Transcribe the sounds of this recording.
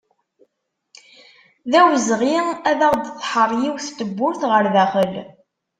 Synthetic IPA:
ðæwzʁiæðaʁd̪θħərˤjiwθt̪əbːʊɾθʁəɾðæχəl

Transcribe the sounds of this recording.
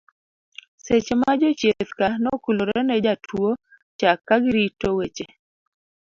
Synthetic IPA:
set͡ʃmad͡ʒɔt͡ʃjet̪kanɔkuloɾɛnɛd͡ʒatʰwo | t͡ʃakːaɡɪɾitowet͡ʃe

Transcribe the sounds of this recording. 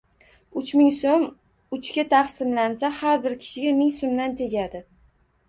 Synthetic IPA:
ʊt͡ʃmɪŋsom | ʊt͡ʃkʲat̪ʰaχsɪmlansahaɾbɪɾkʲʰɪ̥ʃɪɡʲamɪŋsomd̪ant̪ʰe̞ɡʲad̪ɪ

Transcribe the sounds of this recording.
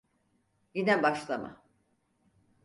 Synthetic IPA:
jinɛbaʃlˠama̰

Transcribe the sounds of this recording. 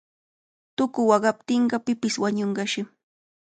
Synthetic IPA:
t̪ʊkʊwɑɢɑp̚t̪ɪɴɢɑpɪpɪswaɲoɴɢɑʃɪ

